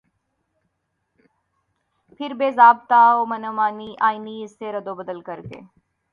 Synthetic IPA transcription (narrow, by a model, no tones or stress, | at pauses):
pʰɪɾbeːzaːb̚t̪aːoːmənomaːniːʔaːiniːɪsːeːɾəd̪oːbəd̪əlkəɾkḛː